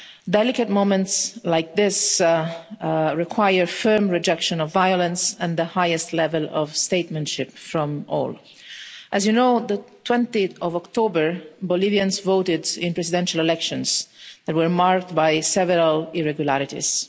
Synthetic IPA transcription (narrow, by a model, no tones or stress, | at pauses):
dɛlɪkət̪̚mõmɛ̃ntslajk̚ðɪs | ɹɪkʰwajəɹfɜ˞mɹɪd͡ʒɛkʃɔ̃nɔvːajɔlə̃nsɛ̃nðəhajɨstlɛvɛlɔ̰vst̪eɪt̪mɛ̃ntʃɪpfɹɔ̃mɔ̰ːl | ʔæzjunoʊðət̪wɛ̃nt̪iθɔvɔkt̪obəɹbɔliviãnsvoʊtɪdɪ̃npɹɛsidɛ̃nʃalɛlɛkʃɔ̃nzðæt̚wəɹmaɹk̚t̪̚bajsɛvəɾalɪɹɛɡjulaɾɪtḭz̥